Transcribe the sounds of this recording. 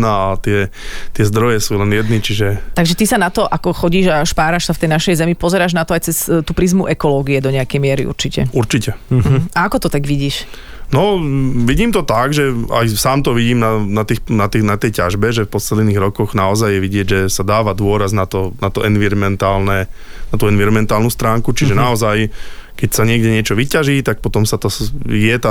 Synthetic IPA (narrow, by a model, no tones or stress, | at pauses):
naat̪ɪɛt̪ɪɛzd̪ɾɔjɛsuːlɛnjɛd̪nit͡ʃiʒɛt̪aɡʒɛt̪isanat̪ɔʔakɔxɔɟiːʒaʃpaːɾaʃsaft̪ɛjnaʃɛjzɛmipɔzɛɾaːʒnat̪ɔajt͡sɛst̪uːpɾizmuʔɛkɔlɔːɡiɛd̪ɔɲɛakɛjmɪɛɾiṵɾt͡ʃicɛuɾt͡ʃicɛaakɔt̪ɔt̪aɡʋiɟiːʃ | nɔʋiɟiːmt̪ɔt̪aɡʒɛa̰jsaːmt̪ɔʋiɟiːmnanat̪iːxnat̪inat̪ɛjcaʒbɛʒɛfpɔsɛd̪niːɣɾɔkɔɣnaɔzajːɛʋiɟɪɛɟʒɛsad̪aːʋad̪ʊɔɾaznat̪ɔnat̪ɔʔɛnʋiɾmɛnt̪aːlnɛnat̪uːɛnʋiɾɔmɛnt̪aːlnuːst̪ɾaːŋkut͡ʃiʒɛnaɔzajkɛcsaɲɪɛɡɟɛɲɪɛt͡ʃɔʋicaʒiːt̪ak̚pɔt̪ɔmsat̪ɔjɛt̪a